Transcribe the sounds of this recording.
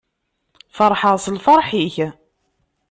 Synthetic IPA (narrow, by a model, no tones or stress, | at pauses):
fəɾˤħəʁsəlfəɾˤħiç